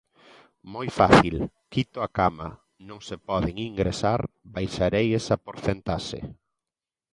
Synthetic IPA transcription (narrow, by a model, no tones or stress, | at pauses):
mojfaθil | kit̪oakama̰ | nõŋsepɔðeŋiŋɡɾesaɾbajʃaɾejesapoɾθent̪aʃḛ